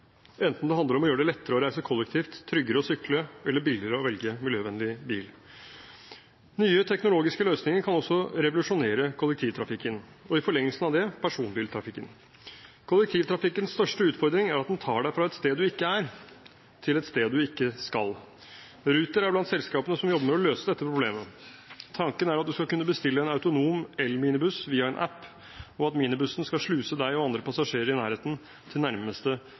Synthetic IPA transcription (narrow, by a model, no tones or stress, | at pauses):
ɛnt̪n̩d̪ɛhɑnd̪əɾɔmɔjøːɖɛlɛt̪ːəɾəɔɾæɪsəkʰɔlːɛk̚t̪ʰiːft̪ʰːɾʏɡəɾəɔsʏkləɛlːəɾbɪlɪɾəɔʋɛlɡəmɪljøːʋɛnlɪbḭːl | nyːət̪ʰɛknʊloːɡɪskəløːsnɪŋəɾkʰɑnɔsːɔɾɛʋʊlʉʂʊneːɾəkʰʊlːɛkt̪ʰiːʋt̪ʰɾɑfɪkːən | ɔɪfɔɭɛŋːəlsn̩ɑʋd̪ɛpʰæʂuːnbiːlt̪ʰɾɑfɪkːən | kʰʊlːɛk̚t̪ʰiːʋt̪ʰɾɑfɪkːənsst̪œʂʈəʉːt̪fɔɾd̪ɾɪŋæɾɑt̪d̪ɛnt̪ʰɑːɖæɪfɾɑɛt̪st̪eːd̪ːʉɪkːəæɾ | t̪ʰɪlɛt̪st̪eːd̪̚ːʉɪkːəskɑl | ɾʉːt̪əɾæɾblɑnt̪sɛlskɑːpənəsɔmjɔbːəmɛɔløːsəd̪ɛt̪ːəpʰɾʊblḛːmə | t̪ʰɑŋkənæɾɑt̪̚d̪ʉskɑkʉnːəbəst̪ɪlːəɛnɑʉt̪ʊnuːmɛlːmiːnɪbʉsʋiːɑɛnʔæ̰pː | ɔɑt̪miːnɪbʉsənskɑlʂɭʉːsəd̪æɪɔɑnd̪ɾəpʰɑsɑʂeːɾəɾɪnæːɾheːt̪n | t̪ʰɪlnæɾməst̪ə